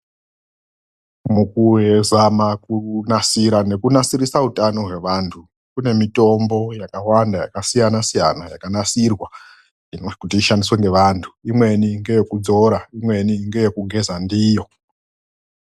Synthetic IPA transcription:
mukuɦe̞zamakunasiɾane̞kunasiɾisautano̞ɦwe̞ʋantʰu | kune̞mito̞mbo̞jakawandaja̰kasijanasija̰najakanasirwa | inokutiiʃandisweŋɡe̞ʋantʰu̥imwe̞niŋɡe̞jekud͡zo̞ɾaimwe̞niŋɡe̞je̞kuɡʱe̞zandijo̞

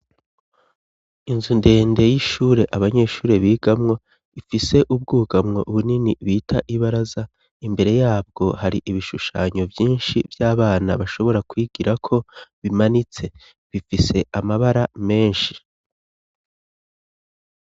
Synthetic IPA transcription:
inzunde̞ːnde̞jiʃuːɾe̞ʔaβaɲe̞ʃuːɾe̞βiːɡ̥amŋo̞ | ifise̞ʔub̚ɡuːɡamŋo̞̰ʔuβuniniβiːtʰa̰ʔiβaɾaza | imbe̞ɾe̞jaːb̚ɡo̞haɾiʔiβiʃuʃa̰ːɲo̞vjiːnʃivjaːβaːnaβaʃo̞βo̞ɾakwiːɡ̥iɾakʰo̞βimanit͡se̞ | βifise̞ʔamaβaɾame̞ːnʃi

